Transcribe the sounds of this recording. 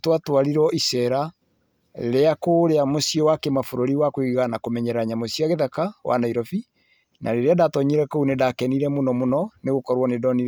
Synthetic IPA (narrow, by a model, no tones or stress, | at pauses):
twatwaɾiɾɔisɛɾa | eɾeakoɾeamosiɔwakemafoɾoɾiwakwiɣɣanakomɛɲɛɾaɲamosjaɣeðakawa̰naiɾɔfi | nʔa̰ɾeɾeadatɔɲeɾɛkounedakɛniɾɛmonɔmonɔneɣokɔɾwɔnedɔni